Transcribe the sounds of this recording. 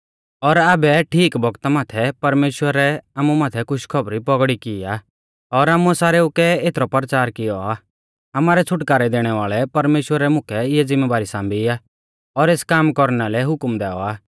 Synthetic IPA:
ɔɾaːbɛʈʰiːkbɔɡt̪amaːt̪ʰɛpɐɾmeːʃwəɾɛaːmumaːt̪ʰɛkʰʊʃkʰɔbɾipɔɡɽikɪːaː | ɔɾaːmuɛsaːɾɛʊkɛeːt̪ʰɾɔpəɾt͡ʃaːɾkɪjɔa | amaːɾɛt͡sʰʊʈkaːɾɛd̪eːɽ̃ɛʋaːɭɛpɐɾmeːʃwəɾɛmʊkʰɛɪjɛd͡zɪmːɛːʋaːɾisãːmbiaː | ɔɾeːskaːmkɔɾnalɛɦʊkmd̪ɛːɔaː

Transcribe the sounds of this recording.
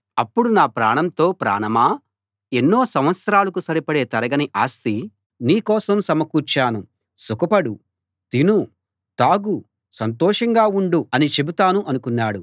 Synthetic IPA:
ɐpːuɽunaːpɾa̰ːɳɐmt̪o̞ːpɾa̰ːɳɐmaː | enːo̞ːsɐmʋɐt̪sɐɾaːlɐkusɐɾipɐɽe̞ːt̪ɐɾɐɡɐniʔaːst̪i | niːkɔːsɐmsɐmɐkuːt͡ʃaːnu | sukɐpɐɽu | t̪inu | t̪aːɡu | sɐnt̪ɔːʂɐŋɡaːuɳɖuɐnit͡ʃe̞but̪aːnuʔɐnukunːaːɽu

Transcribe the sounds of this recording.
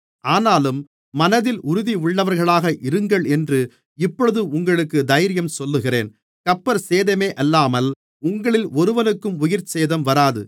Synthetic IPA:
ʔaːnaːlɯmː | ɐnɐðɪlʔʊɾʊðiʊɭːɐʋɐɾɣɐɭaːɣɐʔɪɾɯŋɡɐɭɛndrɯ | ɪpːɔɭɯðɯʊŋɡɐɭɯkːɯd̪ɐjɾɪjɐmsɔlːɯɣɪreːn | kɐpːɐɾseːðɐmeːʔɐlːaːmɐl | ʊŋɡɐɭɪlɔɾɯʋɐnɯkːɯmʊjɪɾt͡ʃeːðɐmʋɐɾaːðɯ̰

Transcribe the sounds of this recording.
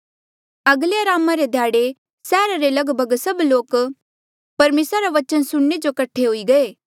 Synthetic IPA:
ɐɡleəɾaːmaɾed̪ʱjaːɽe | sɛːɾaɾelɐɡbʱəɡsɐbloːk | pɐɾmeːsɾaɾaʋɐt͡ʃənsʊɽːed͡ʒokɐʈʰːeɦʊiɡɐeː

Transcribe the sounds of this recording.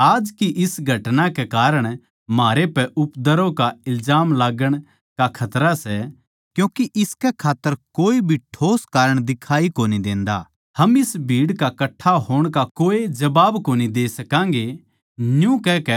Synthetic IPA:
aːd͡ʒkiʔɪsɡʱɐʈnakekaːɾəɽ̃ | maːɾepɛʔʊpd̪əɾokaɪlzaːmlaːɡəɽ̃ | kakʰɐt̪ɾasɛ | kjũːkiʔɪskɛkʰaːt̪ːəɾkoːibʱiʈʰoːskaːɾəɽ̃d̪ɪkʰaːikoːnid̪ẽːnd̪a̰ | hɐmɪsbʱiːɽkakɐʈʰːaɦoːɽ̃kakoːed͡ʒɐbaːbkoːnid̪eːsɐkãːŋ̆ɡe | jũkɛkɛ

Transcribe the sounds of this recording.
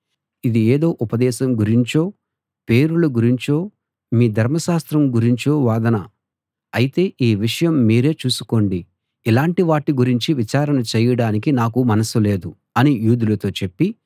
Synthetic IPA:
id̪ieːd̪o̞ːʔupɐd̪ɛːʃɐmɡuɾiɲt͡ʃo̞ː | pe̞ːɾulɐɡuɾiɲt͡ʃo̞ː | miːd̪ʱɐɾmɐʃaːst̪ɾɐmɡuɾiɲt͡ʃo̞ːʋaːd̪ɐnɐ | ɐjit̪e̞ːʔiːʋiʂɐjɐmːiːɾe̞ːt͡ʃuːsuko̞ːɳɖi | ilaːɳʈiʋaːʈːiɡuɾiɲt͡ʃiʋit͡ʃaːɾɐnɐt͡ʃɛːjɐɽaːnikinaːkumɐnɐsule̞ːd̪u | ɐnijuːd̪ulɐt̪o̞ːt͡ʃe̞pːi

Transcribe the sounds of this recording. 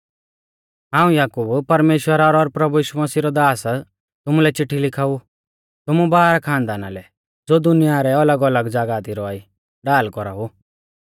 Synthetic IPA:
ɦãːũjaːkubpɐɾmeːʃwəɾaɾɔɾpɾɐbujiːʃumɐsiɾɔd̪aːs | t̪ʊmulɛt͡ʃɪʈʰːilɪkʰaːu | t̪ʊmũbaːɾakʰãːnd̪aːna̰lɛ | d͡zoːd̪ʊnijaɾɛɐləɡələɡd͡zaːɡaːt̪iɾɔaːi | ɖaːlkɔɾaɦu

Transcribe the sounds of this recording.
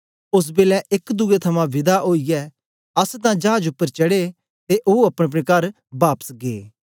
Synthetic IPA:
ʊs̬beːlɛʔɪkd̪uet̪ʰɐmãʋɪd̪aʔoːijɛː | ɐst̪̬ãd͡ʒaːd͡ʒʊpːəɾt͡ʃɐɽe | t̪eʔouɐpɽ̃ep̬ɽekɐɾ | baːpə̥sɡḛː

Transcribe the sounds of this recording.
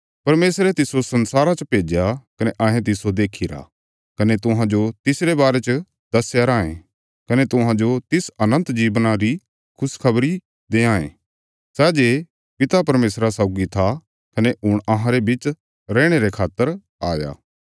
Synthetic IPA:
pɐɾmeːsɾet̪ɪsosɐ̃nsaːɾat͡ʃəpeːd͡ʒjakɐneʔɐɦẽt̪ɪsod̪eːkʰiɾa̰ | kɐnet̪ʊɦãd͡ʒot̪ɪsɾebaːɾet͡ʃ | d̪ɐsjaɾaːḛ̃ | kɐnet̪ʊɦãd͡ʒot̪ɪsɐnə̃nt̪d͡ʒiːʋnaɾi | kʰʊskʰɐbɾi | d̪eːãːḛ̃ | sɛːd͡ʒeː | pɪt̪apɐɾmeːsɾasaːʊɡit̪ʰa | kɐneʊɽ̃ɐɦãɾebɪt͡ʃ | ɾɛːɽ̃eɾekʰaːt̪ːəɾ | aːja̰ː

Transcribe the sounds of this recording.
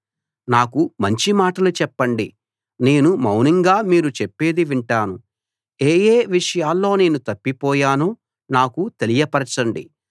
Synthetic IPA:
naːkumɐɲt͡ʃimaːʈɐlut͡ʃɛpːɐɳɖi | ne̞ːnumɐwniŋɡaːmiːɾut͡ʃepːe̞ːd̪iʋiɳʈaːnu | eːjeːʋiʂɐjaːlːo̞ːne̞ːnut̪ɐpːipɔːjaːnoː | naːkut̪e̞lijɐpɐɾɐt͡ʃɐɳɖḭ

